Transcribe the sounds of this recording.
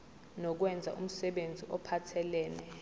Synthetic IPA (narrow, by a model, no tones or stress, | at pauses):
nɔk̬wɛnd͡zʱa̰ʔum̩sɛɓend͡zʱiʔɔpʰatʰɛlɛːnɛ